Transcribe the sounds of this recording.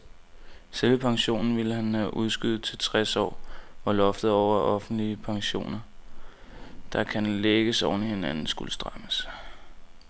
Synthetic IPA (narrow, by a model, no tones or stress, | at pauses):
selʋəpʰɑ̈ŋɕo̝̰ːnn̩ʋiləɦænhæʔuð̞ˠsɡ̥yð̩ˠt͡sʰe̝lt͡sʰʁɛsɒ̰ːɒlɒ̽fd̥ð̞̩ˠɒʊ̰ɐʔɒ̽fn̩d̥liəpʰɑ̈ŋɕo̝̰ːnɐ | d̥ɑ̈kʰænleɡ̥əsɒʊnihe̝nænn̩sɡ̥uləsd̥ʁɑməs